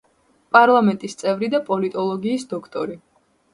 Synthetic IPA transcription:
pʼaɾlˠamɛnt̪ʼist̪sʼɛvɾid̪apʼɔlit̪ʼɔlˠɔɡiːsd̪ɔkʰt̪ʼɔɾi

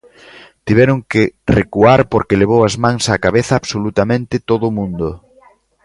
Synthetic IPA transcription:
t̪iβɛɾʊŋkɪrekuaɾpoɾkɪleβ̞owɐzmãŋsakaβeθɐːβsolut̪amẽnt̪ɪt̪oðʊmũnd̪ʊ

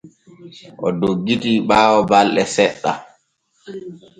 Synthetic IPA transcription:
ʔɔdoɡːitiɓaːwɔbalɗɛsɛɗːa

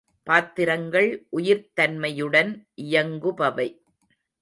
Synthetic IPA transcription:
paːt̪ːɪɾɐŋɡɐɭʔʊjɪɾt̪ɐnmɐjɯɽɐnʔɪjɐŋɡɯpɐʋɐɪ

